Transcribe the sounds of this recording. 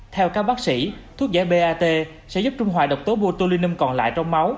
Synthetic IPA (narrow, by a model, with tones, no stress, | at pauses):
t̪ʰɛ˧wkaː˦˥k̚ɓaː˦˥k̚sḭ˧˥t̪ʰu˦˥ək̚zaː˧˥ɓe˧ʔaː˧t̪e˧ | sɛ̰˧˥zp̚t͡ɕʊ˧ŋ͡mɦwa̰ː˧˩ɗə˨˩wk͡p̚t̪o˨˦ɓo˧t̪o˧li˧ni˧mkɔ̰˨˩nla̰ː˧˨jt͡ɕɔ˧wŋ͡mma˨˦w